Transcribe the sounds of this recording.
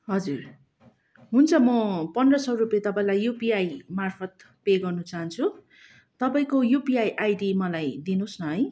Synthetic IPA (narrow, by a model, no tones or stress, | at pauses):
ɦʌd͡zur | ɦunt͡sʰʌmʌpʌnʌsʌruplet̪ʌpaĩlajjupiajmarpʰʌt̪̚ | peɡʌrnut͡saɦʌnt͡sʰu | t̪ʌpaĩkojupiajʔajɖimʌlajd̪inosnʌɦʌj